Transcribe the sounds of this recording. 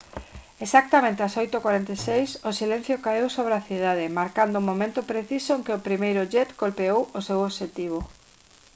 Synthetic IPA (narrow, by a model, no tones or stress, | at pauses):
esak̚t̪amẽnt̪easojt̪okwaɾent̪esejsʊsilẽn̟θjokaewsoβ̞ɾeaθið̞aðɪmaɾkand̪ʊumõmẽnt̪ʊpɾeθisoeŋkɪopɾimejɾʊʝɛt̪kolpeowosewoβʃet̪iβ̞o